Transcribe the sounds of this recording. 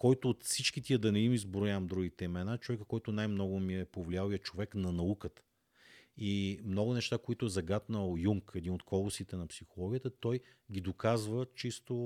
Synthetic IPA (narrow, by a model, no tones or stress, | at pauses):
kɔjt̪oːt̪fsit͡ʃkit̪ʲiəd̪ɐnɛnizbɾʊjaɐmd̪ɾuɡit̪ɛmɛnat͡ʃovɛkəfkɔjt̪ʊnajmnɔɡʊmiɛpovlialˠjɐt͡ʃovɛknɐnɐukət̪ə̥ | imnɔɡʊnɛʃt̪akoit̪ʊɛzɐɡat̪nəlˠjuŋkɛd̪inot̪̚kʰɔlˠʊsit̪ɛnɐpsixolˠɔɡʲiət̪ət̪ɔj | ɡʲid̪okazvət͡ʃist̪o